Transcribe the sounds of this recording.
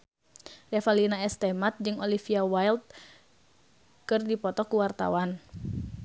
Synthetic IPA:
rɛfalinaɛst̪ɛmat̪̚d͡ʒɨŋɔlifiawajlt̪̚ | kɨrdipɔt̪ɔkuwart̪a̰wan

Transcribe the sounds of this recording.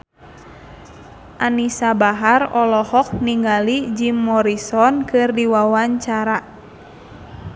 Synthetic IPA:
ʔanisabaɦarɔlɔhɔk̚niŋɡalid͡ʒimːɔɾisɔnkɨrdiwawaɲt͡ʃaɾa

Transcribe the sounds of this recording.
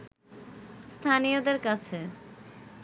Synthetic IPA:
st̪ʰanijod̪eɾkat͡ɕʰe

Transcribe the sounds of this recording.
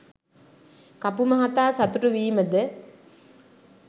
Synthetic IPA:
kapumɐɦat̪aːsat̪uʈəʋiːməd̪ə

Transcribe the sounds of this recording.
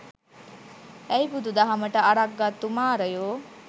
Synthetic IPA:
ɛjbud̪ud̪aɦaməʈəaɽak̚ɡat̪ːumaːɾəjoː

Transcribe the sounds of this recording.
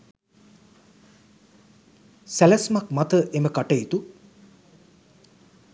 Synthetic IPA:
sælæsmak̚mat̪əʔeməkaʈəit̪u

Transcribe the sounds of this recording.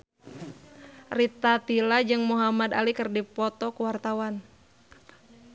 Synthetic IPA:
rit̪at̪ilad͡ʒɨŋmuɦamad̪a̰likɨrdipɔt̪ɔkuwart̪awan

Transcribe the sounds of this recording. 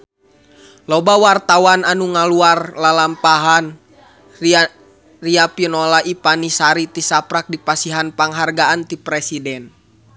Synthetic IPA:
lɔbawart̪awananuŋaluarlalampaɦan | riapinɔlaʔipanisaɾit̪isapɾak̚dipasiɦanpaŋɦarɡaʔant̪ipɾɛsidɛn

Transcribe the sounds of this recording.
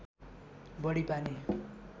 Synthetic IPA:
bʌɽipane

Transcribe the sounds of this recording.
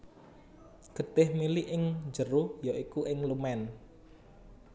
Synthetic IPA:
ɡ̥ət̪ɪhmiliʔɪŋd͡ʒəɾuhjoʔikuʔɪŋlumɛn

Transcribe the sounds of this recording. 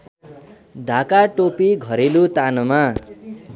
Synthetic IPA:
ɖʱakaʈopiɡʱʌɾelut̪anʌma

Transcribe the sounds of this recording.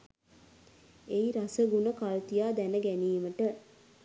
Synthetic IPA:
eiɾasəɡunəkalt̪ijaːd̪ænəɡæniːməʈə

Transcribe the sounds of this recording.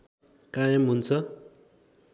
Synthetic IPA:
kajãmɦunt͡sʰʌ

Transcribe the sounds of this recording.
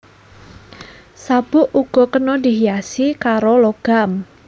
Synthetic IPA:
sab̥ʊ̤ʔuɡ̥ɔ̤kənɔd̪i̤ɦijasikaɾoloɡ̥am

